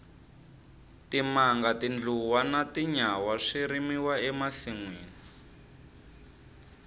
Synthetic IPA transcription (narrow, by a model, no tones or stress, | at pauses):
timaŋɡatind͡ɮuwanatiɲawaʂiɾimiwaɛmaɬiŋwiːni